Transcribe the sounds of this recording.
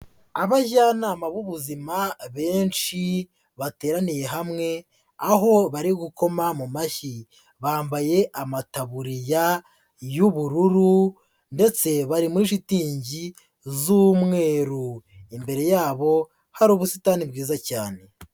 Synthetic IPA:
aβaʒanaːmaβuβuzimaβe̞ːnʃi | βate̞ːɾanije̞ɦamŋe̞ | aɦo̞βaɾiɡuko̞mamumaʃi | βaːmbaje̞ʔamataβuɾija | juβuɾuɾu | nde̞t͡se̞βaɾimuɾiʃitiːɲɟi | zuːmŋe̞ːɾuimbe̞ɾe̞jaːβo̞ | haɾuːβusitanibɡiːzacaːne̞

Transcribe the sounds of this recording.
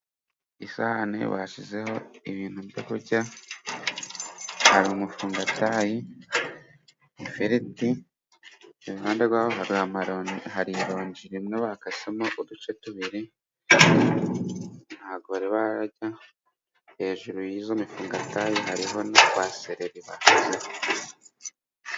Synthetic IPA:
isahanḛβa̰ʃize̞ho̞iβiːn̥huβdekuɾɟa | haɾiumufuːŋɡataji | feɾiti | uβaːndeɡwaːhoɦaɾiahaɾiɾo̞ːɲd͡ʒiɾimŋeβakasemoʔudut͡ʃe̞tuβiɾi | n̥haːβɡoβaɾiβaɾaɟa | he̞ːʒuɾujizomifuːŋɡataːjiɦaɾiɦo̞nokwaseɾeɾiβakoze

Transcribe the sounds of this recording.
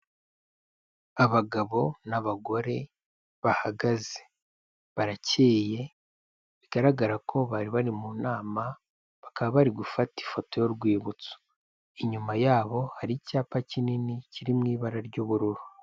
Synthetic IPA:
aβaɡaβo̞naβaɡo̞ɾe̞ | βahaɡaze̥ | βaɾaceːje̞ | βiɡaɾaɡaɾakʰo̞βaɾiβaɾimunaːma | βakaβaβaɾiɡufati̥fo̞to̞jo̞ɾɡwiːβut͡so̥ | iɲumajaːβo̞haɾicaːpacininiciɾimŋiːβaɾaɾɟuβuɾuɾu

